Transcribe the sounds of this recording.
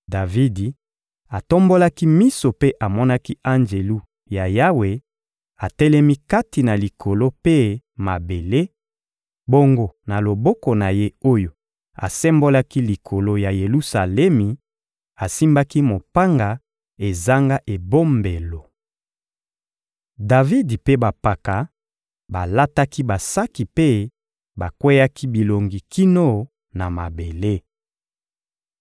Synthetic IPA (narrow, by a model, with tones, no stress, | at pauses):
da˨vi˦di˨ | a˨to˦mbo˦la˦ki˦mi˦so˨pe˦ʔa˨mɔ˦na˦ki˦a˦nd͡ʒe˨lu˦ | ja˨ja˦we˨ | a˨tɛ˦lɛ˦mi˦ka˦ti˨na˨li˨kʰo˨lo˦pe˦ma˨be˨le˦ | bo˦ŋɡo˦na˨lo˨bɔ˦ko˨na˨je˦o˦jo˨ | a̰˨sɛ˦mbo˦la˦ki˦li˨kʰo˨lo˦ja˨je˨lu˦sa˨lɛ˦mi˨ | a˨si˦mba˦ki˦mo˨pa˦ŋɡa˨ | e˨za˦ŋɡa˦ʔe˨bo˦mbe˨lo˨ | da˨vi˦dpe˦ba˨pa˨ka˨ | ba˨la˦ta˦ki˦ba˨sa˦ki˨pe˦ | ba˨kwɛ˦ja˦ki˦bi˨lo˨ŋɡi˨ki˦no˦ | na˨ma˨be˨le˦